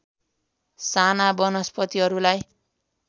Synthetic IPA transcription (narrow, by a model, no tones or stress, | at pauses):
sanabʌnʌspʌt̪iɦʌɾulaj